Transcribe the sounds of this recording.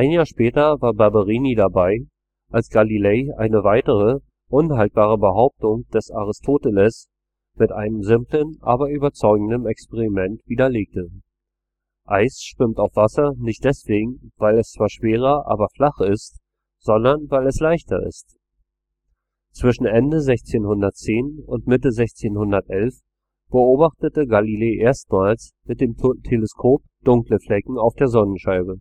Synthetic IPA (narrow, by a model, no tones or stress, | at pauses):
ʔaɪnjaːɐʃpɛːtɐvaːɐbaɐbaʁiːnidabaɪ | ʔalsɡ̥alilɛɪʔa̰ɪnəvaɪtəʁ̞ə | ʔʊnhalt̚b̥aːʁ̞əbəɦaʊp̚tʊŋd̥ɛsaʁ̞ɪstʰoːtɛlɛs | mɪtʔaɪnəmzɪmplənʔa̰ːbɐʔyːbɐt͡sɔʏɡŋ̩dəmɛkspeʁimɛntv̥iːdɐleːk̚tə | ʔaɪsʃv̥ɪmtaʊfv̥asɐnɪçt̚d̥ɛsv̥eːɡŋ̩vaɪlɛst͡sv̥aːɐʃv̥eːʁ̞ɐʔa̰ːbɐflaχɪst | z̥ɔndɐnvaɪlɛslaɪçtɐ̰ɪ̰st | t͡sv̥ɪʃn̩ʔɛndəzɛçt͡seːnhʊndɐt̚t͡seːnʊntmɪtəzɛçt͡seːnhʊndɐtʔɛlf | b̥əoːbaχtətəɡalileːʔeːɐst̚maːlsmɪt̚d̥eːmtʰeləskʰoːp̚ | d̥ʊŋkləflɛkŋ̩aʊfd̥eːɐzɔnənʃaɪbə